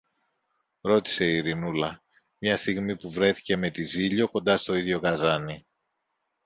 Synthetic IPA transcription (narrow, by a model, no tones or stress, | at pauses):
ɾo̞t̪i̥se̞iɾinulɐ | mɲɐst̪iɣmipuvɾe̞θi̥ce̞me̞t̪iziʎo̞ko̞nd̪ɐst̪o̞iðʝo̞ɣɐzɐni